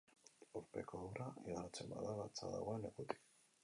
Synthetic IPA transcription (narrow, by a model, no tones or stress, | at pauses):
uɾpekoðuɾaiɣaɾat͡semba̰ðaβat͡sa̰ða̰ɣwenekut̪ʼi̥